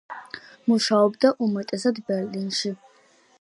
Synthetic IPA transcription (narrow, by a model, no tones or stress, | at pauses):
muʃaɔbd̪aʔumɛt̪ʼɛsad̪bɛɾlinʃi